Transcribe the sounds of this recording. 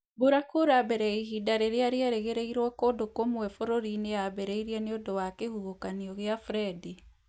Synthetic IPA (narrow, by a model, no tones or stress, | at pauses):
boɾakoɾabɛɾɛiɦidaɾeɾeaɾeɛɾeɣeɾeiɾɔkoːdokomwɛfoɾoɾineabɛɾɛiɾiɛneodowakehuɣokaniɔɣeafɾɛdi